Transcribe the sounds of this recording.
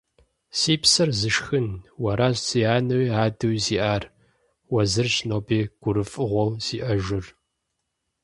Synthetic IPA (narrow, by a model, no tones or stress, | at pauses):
siːpsɐrzɨʂxɨnwɐɾaːɕt͡siːaːnɐwiːaːdɨwisiːʔaːr | wɐzɨrɕnoːpʰeːɡ̥ʷʊɾɨfʼɨʁʷɔwsiːʔɐʒɪr